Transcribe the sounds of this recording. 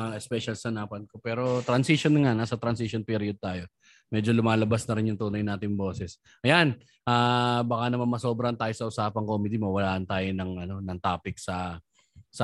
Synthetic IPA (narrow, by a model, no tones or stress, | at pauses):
ʔɛspɛʃɐlsɐnaːpɐnko̞pɛːɾo̞t̪ɾɐnsiʃonŋanaːsɐt̪ɾɐnsɪʃonpiːɾɪod̪̚t̪aːjo̞ | mɛd͡ʒo̞lʊmaːlɐbasnɐɾɪnjʊŋt̪uːnɐjnaːt̪ɪŋbo̞ːsɛs | ʔɐjan | ʔaːbɐkanɐmanmɐso̞ːbɾɐnt̪aːjo̞sɐʔʊsaːpɐŋkoːmɪd̪imɐwɐlaːʔɐnt̪aːjonɐŋʔɐno̞nɐŋt̪aːpɪk̚sɐ | sɐ